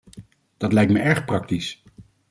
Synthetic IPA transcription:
d̥ɑtlɛjktməʔɛɹχprɑk̚tis

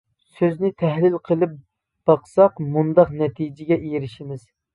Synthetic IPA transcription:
søznɪt̪ʰɛhlɪlqʰəlˠɨp̚ | b̥ɑqsɑqmund̪ɑqnɛt̪ʰid͡ʒɪɡʲɛʔejɾɪʃimɪz̥

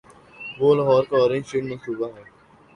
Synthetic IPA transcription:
ʋoːlaɦɔːɾkaɔːɾẽnʃeːʈmə̃nsuːbaɦɛː

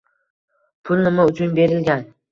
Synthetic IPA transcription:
pʰʊlnɪmaʊt͡ʃʰʊnbe̞ɾɪlɡʲan

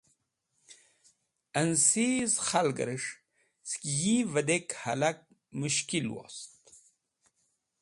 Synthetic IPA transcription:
ənsizχalɡə̰ɾəʂ | skijivəd̪ekhalak̚ | muʃkilwo̰st̪

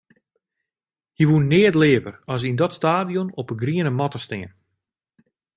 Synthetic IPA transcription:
hiʋunːɪːətlɪːəvə̰rɔs̬indɔtstaːdijonɔpəɡriənəmɔtəstɪŋən

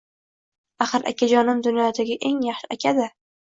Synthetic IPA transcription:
aχɨɾa̰kʲʰad͡ʒɒnɪmd̪ʊnjɒt̪ʰaɡʲaʔe̞ŋjaχʃɪakʲʰad̪ɪ

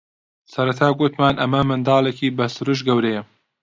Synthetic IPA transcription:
sɐɾɐt̪ʰaːɡʊt̪maːnʔɐmɐmɨnd̪ɑːlˠekʰiːbɐsɨɾuʃ̬ɡɐwɾejɛ

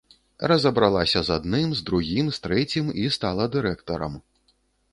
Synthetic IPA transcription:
rɐzɐbɾalˠasʲɐzad̪nɨmzd̪ɾuɣʲimst̪ɾɛt͡sʲimist̪alˠɐd̪ɨɾɛkt̪ɐɾɐ̰m

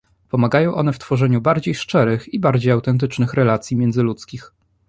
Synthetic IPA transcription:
pɔmaɡajɔ̃w̃ʔɔnɛft̪fɔʐɛɲubaɾd͡ʑejʂt͡ʂɛɾɘxibaɾd͡ʑejawt̪ɛnt̪̬ɘt͡ʂnɘxɾɛlat̪sʲjimʲjɛnd̪zɘlut̪skʲix

